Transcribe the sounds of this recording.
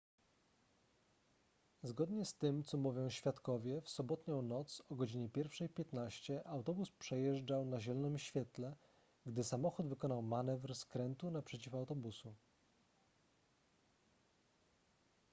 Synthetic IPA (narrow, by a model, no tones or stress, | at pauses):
zɡɔd̪ɲɛst̪ɘmt̪sɔmuvʲjɔ̃w̃ɕfʲjat̪kɔvʲjɛfsɔbɔt̪ɲɔ̃w̃nɔt̪sɔɡɔd͡ʑiɲɛpʲjɛɾfʂɛjpʲjɛt̪naɕt͡ɕɛʔawt̪ɔbuspʂɛjɛʐd͡ʐawnaʑɛlɔnɘmɕfʲjɛt̪lɛ | ɡd̪ɘsamɔxud̪vɘkɔnawmanɛvɾskɾɛnt̪unapʂɛt͡ɕifawt̪ɔbusu